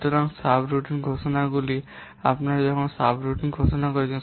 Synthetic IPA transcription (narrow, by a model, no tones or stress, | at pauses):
t̪ɔɾaŋsabɾuʈinɡʱosɔnaɡuli | apnaɾzɔkʰɔnsabɾuʈinɡʱosɔnakɔɾit͡ʃʰɛn